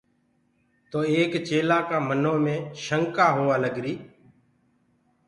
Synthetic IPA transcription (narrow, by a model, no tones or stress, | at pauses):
t̪oːeːkt͡ʃeːlaːkãːmənõːmẽːʃəŋkaːɦoːaːləɡɾiː